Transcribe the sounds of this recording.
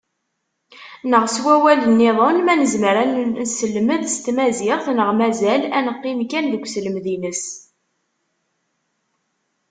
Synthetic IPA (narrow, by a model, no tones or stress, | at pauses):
nəʁswæwælənːeðˤonmænəzmɾænnsəlːməðst̪mæzɪʁθnəʁmæzælænəqːimkænðəkʷːsləmðinəs